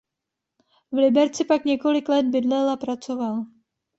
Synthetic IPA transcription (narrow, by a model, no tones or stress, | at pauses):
vlɪbɛɾt͡sɪpakɲɛko̞lɪklɛd̪bɪdlɛlapɾat͡so̞val